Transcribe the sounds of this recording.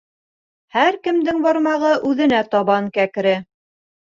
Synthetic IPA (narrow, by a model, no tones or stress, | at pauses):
hæɾkɘ̆md̪ɘŋbɑɾmɑʁɤʔʉðɘ̆næt̪ɑβɑŋkækɾɘ